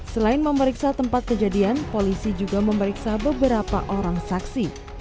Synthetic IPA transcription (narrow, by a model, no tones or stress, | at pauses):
səlaɪnməməɾiksat̪əmpat̪̚kəd͡ʒadianpolisid͡ʒuɡaməməɾiksabəbəɾapa̰ʔoɾaŋsaksi